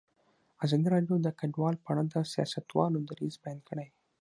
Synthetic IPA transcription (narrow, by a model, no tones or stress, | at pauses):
azɑd̪iɾɑɖjod̪əkaɖwɑlpaɽad̪əsijɑ̰sat̪wɑ̰lʊd̪aɾizbajɑnd̪ɡəɽaj